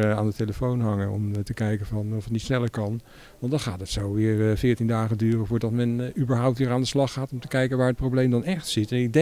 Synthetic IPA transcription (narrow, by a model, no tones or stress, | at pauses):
a̰ːndəteləfownɦɑŋənɔ̰mtəkɛjkəvɑnɔfətnitsnɛləɹkɑn | ʋɑndɑnχa̰ːtɦətsowʋɪːɹfɪːɹtindaːχədyːrəvʊːɹdɑtmɛnybəɹɦʌwptʋɪːɹaːndəslɑχaːtɔmtə̥kɛjkənʋaːɹət̚prowblejmdɑnɛχtsɪtɛnɪɡ̚dɛ